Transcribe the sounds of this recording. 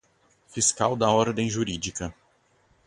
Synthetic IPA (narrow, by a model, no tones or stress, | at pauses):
fiskawd̪ɐɔɾd̪ẽj̃ʒuɾid͡ʒikɐ